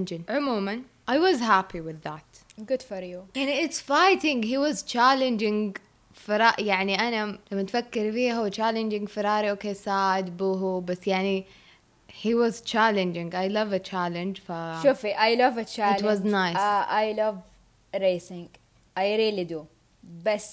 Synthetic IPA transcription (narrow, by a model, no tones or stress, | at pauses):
nd͡ʒɪnʕʊmuːman | ʔajwɔzɦapʰiwɪðːat̪ | ɡʊd̪̥fɔɾjujaʕniɪt̪sfajt̪ɪ̃ŋɡhiːwɑzt͡ʃaːlɪnd͡ʒɪ̃ŋɡ | fɪɾɑːʔjaʕniʔanalamːat̪fakːɪɾfiːɦawt͡ʃaːlɪnd͡ʒɪŋɡfɪɾˤɑːɾiʔoːkeːsaːd̪buɦubasːjaʕni | hiwɔzt͡ʃaːlɪ̃nd͡ʒɪ̃ŋɡʔajlʌvat͡ʃalɪ̃nd͡ʒfaʃufiʔajlʌvat͡ʃaːɪlwɔznajsaʔajlʌv | ɾeːsɪ̃ŋɡ | ʔajɾiːlid̪u | bas